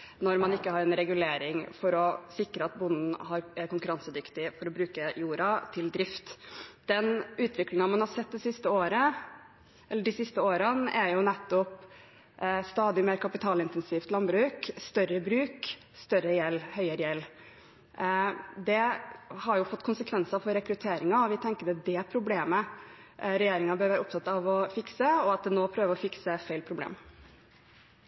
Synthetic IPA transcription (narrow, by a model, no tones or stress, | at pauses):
nɔɾmɑnɪkːəhɑɾɛnɾɛɡʉleːɾɪŋfɔɾɔsɪkɾəɑt̪̚bʊnd̪n̩hɑɾæɾkʊŋkʉɾɑnsəd̪ʏkt̪ɪfɔɾɔbɾʉːkəjuːɾɑt̪ʰɪld̪ɾɪft̪d̪̥ɛnʉːt̪ʰʋɪklɪŋɑmɑnhɑɾsɛt̪̚ːd̪ɪsɪst̪əoːɾə | ʔɛlːəɖɪsɪst̪əoːɾənæɾjʊnɛt̪ːɔp | st̪ɑːd̪ɪmeːɾkʰɑpɪt̪ʰɑːlɪnt̪ɛnsiːft̪lɑnbɾʉːkst̪œɾəbɾʉːk | st̪œɾəjɛlːhœʏəɾəjɛlː | d̪ɛhɑɾjʊfɔt̪ːkʰʊnsəkʰʋɛnsɑfɔɾɛkɾʉt̪ʰeːɾɪŋɑɔʋɪt̪ʰɛŋkəd̪ɛd̪ɛpʰɾʊbleːmə | ɾɛjeːɾɪŋɑbøɾʋæːɾəʊpt̪ɑt̪ːɑʋɔfɪksəɔɑt̪̚d̪ɛnoːpʰɾøːʋəɾɔfɪksəfæɪlpʰɾʊblḛːm